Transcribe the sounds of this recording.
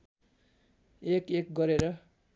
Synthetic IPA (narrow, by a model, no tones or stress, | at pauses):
ekek̚ɡʌɾeɾʌ